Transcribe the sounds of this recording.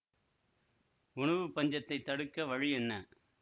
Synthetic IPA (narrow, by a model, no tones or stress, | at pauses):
ʊɳɐʋɯpːɐɲd͡ʒɐt̪ːɐɪt̪ːɐɽɯkːɐʋɐɻɪjɛnːɐ